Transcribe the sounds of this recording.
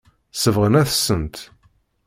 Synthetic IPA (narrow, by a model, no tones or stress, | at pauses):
səvʁənæθsənt̪